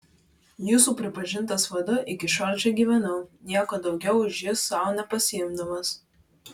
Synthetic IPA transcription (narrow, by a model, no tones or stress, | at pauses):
juːsuːpʲɾʲɪpɐʒʲɪnt̪ɐsʋɐd̪ʊʔɪkʲɪʃɔɾʲt͡ʃʲɛɡʲiːʋʲɛnɐʊnʲiɛkoːd̪ɒʊɡʲɛʊɪʒjɪsːɑˑʊnʲɛpɐsʲɪɪmd̪ɐmɐs